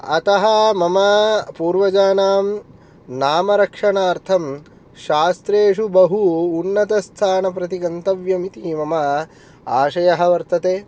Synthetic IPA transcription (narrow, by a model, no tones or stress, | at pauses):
ɐ̰t̪ɐɦɐmɐmɐpuːɾʋɐd͡ʒaːnaːm | naːmɐɾɐkʂɐɳaːɾt̪ʰɐm | ʃaːst̪ɾeːʂubɐɦuːnːɐt̪ɐst̪ʰaːnɐpɾɐt̪iɡɐnt̪ɐʋjɐmit̪imɐmɐ | aːʃɐjɐɦɐ̆ʋɐɾt̪ɐt̪eː